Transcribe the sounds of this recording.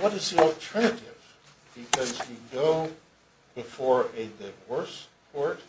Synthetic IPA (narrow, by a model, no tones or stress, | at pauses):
wʌɾɨzðil̩ˠtʰɜ˞nɨɾɪv̥ | b̥ɨkʰʌzwiɡoʊ | bɨfɔɹɨðɨvɔɹspʰɔɹt̚